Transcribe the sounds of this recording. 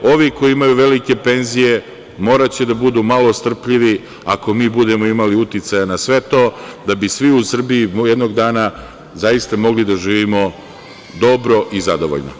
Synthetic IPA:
o̞ʋiko̞iimajuʋe̞like̞pe̞nzije̞ | mo̞ːɾat͡ɕed̪abud̪uːmalo̞st̪r̩pʎiʋi | ako̞miːbud̪e̞mo̞imaliut̪it̪sajanasʋe̞t̪o̞ːd̪abisʋiusr̩biimjed̪noɡd̪aːna | zajist̪amo̞ɡlid̪aʒiːʋimo̞ | d̪o̞bɾo̞ʔizad̪o̞ʋo̰ʎno̰

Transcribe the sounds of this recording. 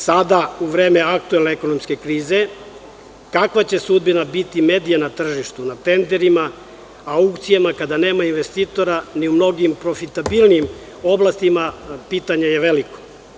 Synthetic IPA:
sad̪auʋɾe̞ːme̞ak̚t̪ue̞lneeko̞no̞mske̞kɾiːze̞ | kakʋat͡ɕe̞sud̪binabit̪ime̞ːd̪ijanat̪r̩ʒiʃt̪unat̪e̞nd̪eɾimaː | ukt̪sijamakad̪ane̞ːmainʋe̞st̪iːt̪o̞ɾaniumno̞ɡimpɾo̞fit̪abilˠniim | o̞blast̪imapiːt̪aɲe̞jeʋeliko̥

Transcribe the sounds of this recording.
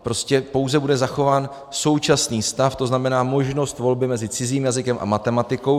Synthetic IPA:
pɾo̞scɛpo̞wzɛbudɛzaxo̞vaːn | so̞wt͡ʃasniːst̪aft̪o̞znamɛnaːmo̞ʒno̞st̪vo̞lbɪmɛzɪt͡sɪziːmjazɪkɛmʔa̰mat̪ɛmat̪ɪko̞w

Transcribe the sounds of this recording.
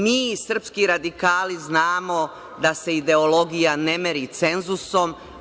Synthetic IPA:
miːsr̩pskiɾad̪ikaːliznaːmo̞ | d̪ase̞id̪e̞olo̞ɡijanemeɾit̪se̞nzuso̞m

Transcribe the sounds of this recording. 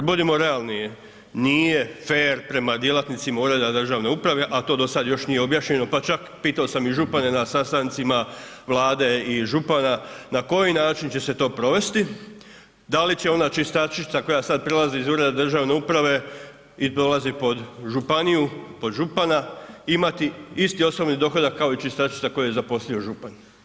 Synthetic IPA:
kad̪bud̪imo̞ɾe̞alˠnije | nije̞feːɾpɾe̞mad̪je̞lat̪nit̪simauːɾe̞d̪ad̪r̩ʒaːʋne̞upɾaʋe̞ʔat̪o̞ːd̪o̞sad̪jo̞ʃnijeo̞bjaʃɲe̞no̞pat͡ʃakpiːt̪ao̞samiʒupane̞nasast̪ant̪sima | ʋlˠaːd̪e̞iʒupananako̞jinaːt͡ʃint͡ɕe̞se̞t̪o̞ːpɾo̞ʋe̞st̪i | d̪alit͡ɕe̞o̞nat͡ʃist̪aʃit̪sako̞jasad̪̚pɾe̞lˠaziizuːɾed̪ad̪r̩ʒaːʋne̞upɾaʋe̞ | ipɾo̞lazipo̞d̪ʒupanijupo̞d̪ʒupanaimat̪iist̪io̞snobnid̪o̞xo̞d̪akːao̞it͡ʃist̪aʃi̥t̪sako̞jajezapo̞slʎio̞ʒupan

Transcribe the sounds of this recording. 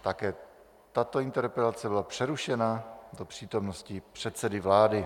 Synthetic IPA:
t̪akɛː | t̪at̪oɪnt̪ɛɾpɛlat͡sɛbɪlapr̝̥ɛɾuʃɛnad̪opr̝̥iːt̪o̞mnoscɪpr̥ɛt̪sɛdɪvlaːdɪ

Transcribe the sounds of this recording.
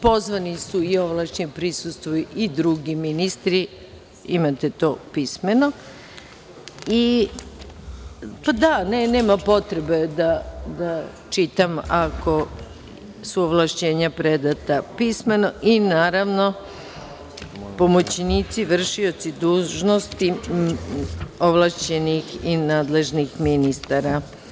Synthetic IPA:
po̞zʋanisuioʋlˠaʃt͡ɕepɾisust̪ʋojuʔid̪ɾuɡiminist̪ɾi | imat̪et̪o̞pismeno̞ | i | pad̪anene̞ːmapo̞t̪ɾe̞be̞d̪ad̪a | t͡ʃit̪amako̞ | suoʋlˠaʃt͡ɕe̞ːɲapɾed̪at̪apisme̞no̞ʔinaːɾaʋno̞ | po̞mo̞t͡ɕniːt̪siʋr̩ʃio̞t̪sid̪uːʒno̞st̪i | o̞ʋlˠaʃt͡ɕe̞nixinaːd̪le̞ʒnixminist̪aɾa

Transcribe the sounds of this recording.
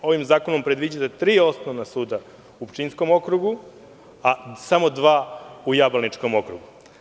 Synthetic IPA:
o̞ʋimzaːko̞nompɾe̞d̪ʋid͡ʑat̪et̪ɾiːo̞snoʋnasuːd̪a | upt͡ʃinsko̞mo̞kɾuɡu | asamo̞d̪ʋaːujabalnit͡ʃko̞mo̞kɾuɡu

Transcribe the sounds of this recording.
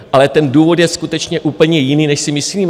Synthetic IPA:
ʔalɛt̪ɛnduːvo̞t̪jɛskut̪ɛt͡ʃɲɛʔuːpl̩ɲɛjɪniːnɛʃsɪmɪsiiːm

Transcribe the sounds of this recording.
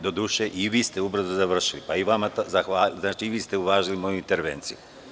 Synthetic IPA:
d̪o̞d̪uːʃeʔiʋiːst̪e̞ubɾr̩zuzaʋr̩ʃilipaiʋamazaxʋaːlznaːt͡ʃiʋiːst̪euʋaːʒilimoːjuint̪e̞ɾʋḛːnt̪siju

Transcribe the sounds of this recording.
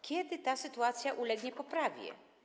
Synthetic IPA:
kʲjɛd̪ɘt̪asɘt̪uat̪sʲjaʔulɛɡɲɛpɔpɾavʲjɛ̰

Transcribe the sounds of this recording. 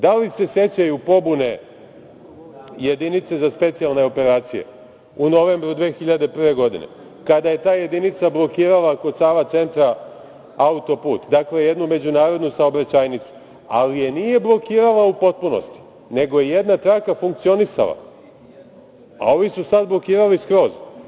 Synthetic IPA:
d̪alise̞sje̞t͡ɕajupo̞bune̞ | je̞d̪init̪se̞zaspe̞t̪sijalˠne̞o̞pe̞ɾaːt̪sije̞̰ | uno̞ʋe̞mbɾud̪ʋe̞ːxiʎad̪e̞pɾr̩ʋe̞ɡo̞d̪ḭne̞̰ | kad̪aje̞t̪aːje̞d̪init̪sablˠo̞kiːɾalako̞d̪saːʋat̪se̞nt̪ɾa | aut̪o̞pṵːt̪d̪akle̞jed̪nume̞d͡ʑunaːɾo̞d̪nusaobɾat͡ɕaːjnit̪su̥ | a̰lije̞nije̞blˠo̞kiːɾalaupo̞t̪̚puno̰st̪i̥ | ne̞ɡo̞jejed̪nat̪ɾakafuŋk̚t̪sio̞nisa̰lˠa̰ | a̰o̞ʋisusad̪blo̞kiːɾaliskɾo̞ːz

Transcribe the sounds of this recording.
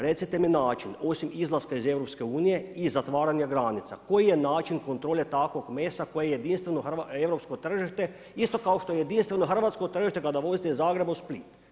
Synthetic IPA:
ɾe̞t̪sit̪eminaːt͡ʃino̞simizlˠaskaize̞ʋɾopske̞uːnije̞izat̪ʋaːɾaɲaɡɾanit̪sa̰ko̞jijenaːt͡ʃiŋko̞nt̪ɾoːʎet̪akʋoɡmeːsako̞jeejed̪inst̪ʋenoxraeʋɾopskot̪r̩ʒiʃt̪e̞ | ist̪o̞kao̞ʃt̪o̞jejed̪inst̪ʋe̞noxr̩ʋat̪sko̞t̪r̩ʒiʃt̪e̞kad̪aʋo̞zit̪ezaːɡɾe̞bausplit̪

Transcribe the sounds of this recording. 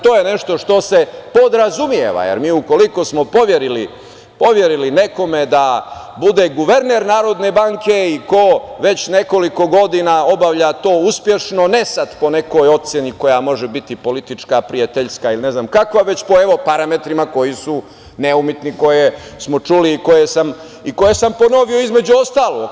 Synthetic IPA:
t̪o̞ːjene̞ʃt̪o̞ʃt̪osepo̞d̪ɾazumjḛʋa̰jḛɾmiːuko̞liko̞smo̞po̞ʋjeɾili | po̞ʋje̞ɾilineko̞med̪a | bud̪eɡuʋeɾneɾnaːɾo̞d̪nebaŋke̞iko̞ʋe̞t͡ɕne̞ko̞liko̞ɡo̞d̪inao̞baʋʎat̪o̞ːuspje̞ʃno̞nesad̪po̞ne̞ko̞jo̞t̪seniko̞jamo̞ʒɛbit̪ipo̞lit̪it͡ʂkapɾijat̪eʎskailine̞znamkakʋaʋe̞t͡ɕpo̞e̞ʋo̞paɾame̞t̪ɾimako̞jisu | neumit̪niko̞jesmo̞t͡ʂuliːko̞jesam | iko̞jesampo̞no̞ʋio̞izme̞d͡ʑuo̞st̪aːlˠo̰ɡ

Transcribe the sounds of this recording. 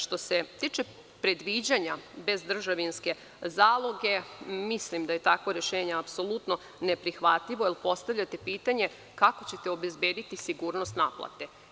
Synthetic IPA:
ʃt̪o̞se̞t̪iːt͡ʃe | pɾe̞d̪ʋid͡ʑaɲabe̞zd̪r̩ʒaʋinske̞ | zaːlˠo̞ɡe̞mislimd̪aje̞t̪akʋoɾjeʃeːɲeapso̞lut̪no̞ | ne̞pɾixʋat̪ʎiʋo̞ilˠpo̞st̪aʋʎʲat̪e̞piːt̪aɲe̞ | kako̞t͡ɕe̞t̪e̞o̞be̞zbe̞ːd̪it̪isiɡuːɾnost̪naplˠa̰t̪e̞

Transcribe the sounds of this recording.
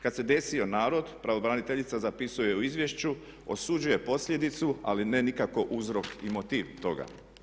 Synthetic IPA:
kad̪se̞d̪e̞sio̞naːɾo̞d̪pɾaʋo̞bɾanit̪eʎit̪sazapisuojjeuizʋje̞ʃt͡ɕu | o̞̰sud͡ʒuje̞po̞sʎʲe̞d̪it̪sua̰linenikako̞ʔuzɾo̞kimo̞t̪iːʋt̪o̞ɡa̰

